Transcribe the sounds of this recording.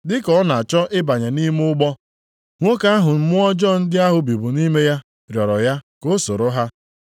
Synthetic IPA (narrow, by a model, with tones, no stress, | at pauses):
dɪ˦kɔ˦na˨t͡ʃɔ˦ʔɪ˦ba˨ɲe˨ni˦m˦ʊ˦ɡ͡bɔ˦ | ŋʷo˦ka˦a˦ɦʊ˨m̩˦mʊ˦ɔ˦d͡ʒɔ˦˨n̩˦dɪ˦a˦ɦʊ˨bi˨bʊ˨ni˦me˦ja˦ | ɾjɔ˨ɾɔ˨ja˦ko˦so˨ɾo˦ɦa˦